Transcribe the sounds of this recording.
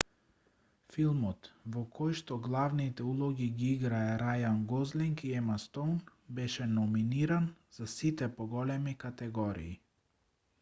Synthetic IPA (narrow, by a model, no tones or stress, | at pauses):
filˠmɔt̪vɔkʰɔjʃt̪ɔɡlˠavnit̪ɛulˠɔɡiɡiiɡɾaɛɾajanɡɔzliŋkiɛmast̪own | bɛʃɛnɔminiɾanz̥asit̪ɛpɔɡɔlɛmikat̪ɛɡɔɾḭː